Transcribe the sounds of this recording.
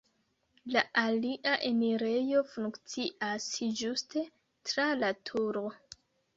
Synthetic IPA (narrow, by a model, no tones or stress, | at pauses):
laʔaliʔaʔemiɾe̞jo̞fuŋkt͡siʔasd͡ʒuste̞ | tɾalatʰuɾo̞